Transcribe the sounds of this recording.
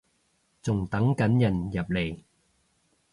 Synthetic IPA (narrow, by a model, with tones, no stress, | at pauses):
t͡sʊ˨ŋt̪ɐ˨˥ŋkɐ˨˥njɐ˨˩njɐ˨p̚le˨˩j